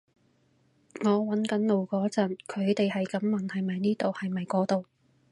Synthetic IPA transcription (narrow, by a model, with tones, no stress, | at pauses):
ŋɔː˨˧wɐ˨˥nkɐ˨˥nlo˨wkɔː˨˥t͡sɐ˨˩nkʰɵ˨˧ɥt̪e˨jhɐ˨jkɐ˨˥mːɐ˨˩nhɐ˨jmɐ˨jniː˥t̪o˨whɐ˨jmɐ˨jkɔː˨˥t̪o˨w